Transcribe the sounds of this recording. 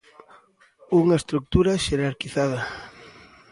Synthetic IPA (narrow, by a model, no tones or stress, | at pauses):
uŋɐest̪ɾuk̚t̪uɾɐʃeɾaɾkiθað̞ɐ